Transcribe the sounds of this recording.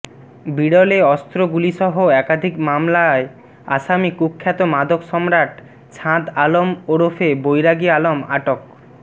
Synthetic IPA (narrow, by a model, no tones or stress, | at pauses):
biɽɔleɔst̪ɾoɡuliʃɔɦoɛkad̪ʱikmamlae | a̰ʃamikukʰːɛt̪omad̪ʱokʃɔmɾaʈ | t͡ɕʰãd̪alomoɾofʰebojɾaɡialoma̰ʈok